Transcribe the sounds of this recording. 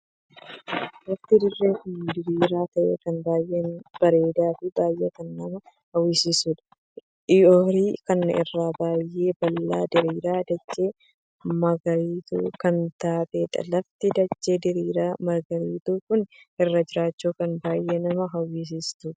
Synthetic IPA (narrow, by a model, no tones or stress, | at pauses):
lɐft̪ɪd̪ɪrːe̞ːkʊnd̪ɪɾiːɾaːt̪ɐʔḛːkɐnbaːjʔeːnb̥ɐɾe̞ːd̪aːfɪbaːjʔeːkɐnːɐmɐ | hɐwiːsisuːᶑ̪ɐ̥ | ɪjoɾiːkɐnɪ̰rːaːbaːjːe̞ːbɐlːaːd̪ɪɾiːɾaːd̪ɐd͡ʒːe̞ː | mɐɡɐɾiːt̪ṵːkɐnt̪aːt̪ʼeːt̪ɐ̰lɐft̪ɪd̪ɐd͡ʒːe̞ːd̪ɪɾiːɾaːmɐɡɐɾiːt̪uːkʊnʔɪrːɐd͡ʒɪɾaːt͡ʃːuːkɐnbaːjʔe̞ːnɐmɐɦɐwiːs̬iːst̪uːᶑ̪ɐ